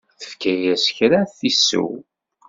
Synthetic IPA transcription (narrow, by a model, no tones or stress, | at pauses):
θə̥fkæjæsçɾaθisːṵw